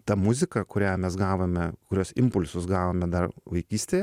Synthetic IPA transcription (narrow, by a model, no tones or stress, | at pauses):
t̪ɐmʊzʲɪkɐkʊɾʲæːmʲɛsɡɑːʋomʲɛkʊɾʲoːsɪmpʊlʲsʊsɡɑːʋoːmʲɛd̪ɐrʋɐɪkʲiːsʲt̪ʲeːjɛ